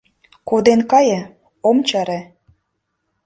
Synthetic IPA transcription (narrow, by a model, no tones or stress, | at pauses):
kod̪enkɑjə̆ | omt͡ɕɑɾĕ